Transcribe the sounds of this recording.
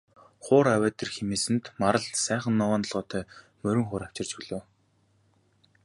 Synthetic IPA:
χʊːɾawæːt̪ĕrxemeːsɘ̆nt̪maɾə̆ɮsæːχə̆nːɔwaːnt̪ɞ̆ɮʁɔːt̪ʰœː | mɵɾʲɵ̆ŋχʊːɾaw̥t͡ɕɪ̆rt͡ɕpuɮoː

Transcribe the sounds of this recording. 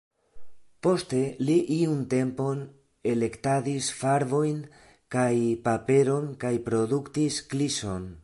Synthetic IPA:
po̞ste̞liʔiunte̞mpo̞n | e̞le̞ktadisfaɾvo̞jn | kajpape̞ɾo̞nkajpɾo̞d̪uktiskliso̞n

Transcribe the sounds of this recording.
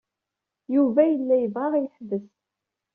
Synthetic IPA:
juvæjəlːæjəvʁɑʁijəħðːəs

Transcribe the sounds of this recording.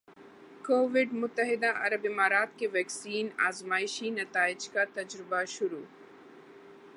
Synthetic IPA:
koːʋɪɖmʊt̪ːəɦɪd̪aʔɐɾɐbɪmaːɾaːt̪keʋɛːksiːna̰ːzmaːɪʃinɐt̪aːɪd͡ʒkat̪ɐd͡ʒɾɪbaʃʊɾuː

